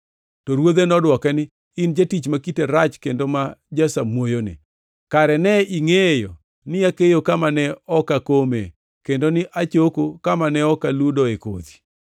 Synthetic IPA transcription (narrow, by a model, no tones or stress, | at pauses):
tɔɾwod̪enɔdwɔkɛnɪ | ɪnd͡ʒatit͡ʃmakiteɾat͡ʃkendomad͡ʒasamwojonɪ̰ | kaɾɛnɛiŋejo̰ | nɪakejokamanɛɔkakomḛ | kendonɪʔat͡ʃokokamanɛɔkaludɔeko̰d̪i̥